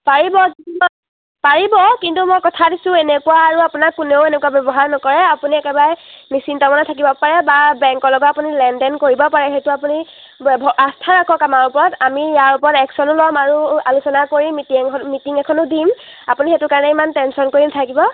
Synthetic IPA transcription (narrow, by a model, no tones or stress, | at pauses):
paɹibɔkitumɔ | paɹibɔkintumɔjkɔtʰadisʊ̃enekuwaːɹuapunakːuneʊenekuabɛbɔɦaɹnɔkɔɹɛapuniɛkɛbaɹɛnisintɔmɔnatʰak̬ibɔpaɹɛbabɛŋkɔlɔɡɔapunilɛndɛnkoɹibɔpaɹɛxetuapuni | bʱɔastʰaɹakʰɔkamaɹupɔɹɔtamijaɹupɔɹɔtɛksɔnʊlɔmaɹua̰lusɔnakoɹimitiŋɔmitiŋɛkʰɔnʊdim | a̰punixetʊkaɹɔnɛimantɛnsɔnkoɹintʰakibɔ